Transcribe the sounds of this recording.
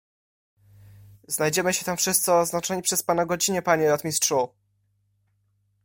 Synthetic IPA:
znajd͡ʑɛmɘɕɛt̪amfʂɘst̪sɛɔznat͡ʂɔɲipʂɛspanaɡɔd͡ʑiɲɛpaɲɛɾɔt̪mʲistʂu

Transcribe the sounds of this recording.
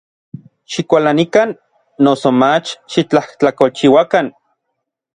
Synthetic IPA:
ʃikʷalanikanː | osomat͡ʃʃit͡ɬaht͡ɬakolt͡ʃiwakan

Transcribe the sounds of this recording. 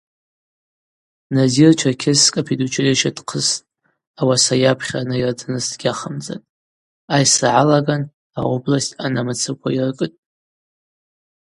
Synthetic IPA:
nazirt͡ʃʰakʲʰɪskʼapʰidut͡ʃʰɪreʃad̥qʰəstʼ | awasajapʰχʲanajirdʰɨnɨsdɡʲaχamd͡za̰tʼ | ajsaʕalaɡan | a̰oblasʲtʲʼanamat͡sʰɨkʷʰairkʼɨtʼ

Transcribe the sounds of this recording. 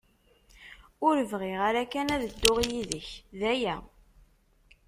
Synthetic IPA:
ʊɾəvʁeʁaɾækænæðəd̪ːʊʁjiðəçðæjæ

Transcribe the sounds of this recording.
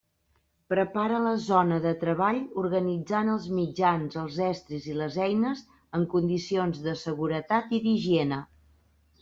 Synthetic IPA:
pɾəpaɾələzɔnəðət̪ɾəβaʎuɾɣənid͡zanəlˠzmid͡ʒanzəlˠzɛst̪ɾiziləzɛjnəz | əŋkund̪isionzðəsəɣuɾət̪at̪iðiʒienə

